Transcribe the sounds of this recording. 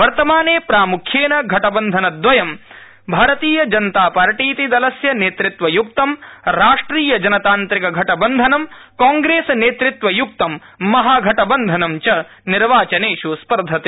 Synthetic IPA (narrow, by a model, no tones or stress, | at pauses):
ʋɐɾt̪ɐmaːneːpɾaːmukʰjeːnɐɡʱɐʈɐbɐnd̪ʱɐnɐd̪ʋɐjɐm | bʱaːɾɐt̪iːjɐd͡ʒɐnt̪aːpaːɾʈiːt̪id̪ɐlɐsjɐneːt̪ɾit̪ʋɐjuk̚t̪ɐmɾaːʂʈɾiːjɐd͡ʒɐnɐt̪aːnt̪ɾikɐɡʱɐʈɐbɐnd̪ʱɐnɐmkaːŋɡɾeːsɐneːt̪ɾit̪ʋɐjuk̚t̪ɐmː | ɐɦaːɡʱɐʈɐbɐnd̪ʱɐnɐmt͡ʃɐ | niɾʋaːt͡ʃɐneːʂuspɐɾd̪ʱɐt̪e